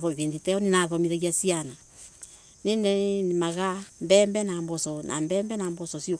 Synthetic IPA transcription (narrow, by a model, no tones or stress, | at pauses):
ðɔiβeːnditɛɔninaðɔmiɾaɣiasiana | nindɛnimaɣambɛːmbɛnambɔsɔnʔa̰mbɛːmbɛnambɔsɔsio